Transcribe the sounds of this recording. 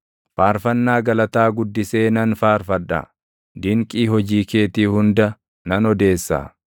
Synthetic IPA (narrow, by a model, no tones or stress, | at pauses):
faːɾfɐnːaːɡɐlɐt̪aːɡʊd̪ːɪse̞ːnɐnfaːɾfɐᶑɐ̰ | d̪ɪŋkʼiːɦɔd͡ʒiːke̞ːt̪iːhʊnd̪ɐ | nɐnɔd̪e̞ːsːa̰ː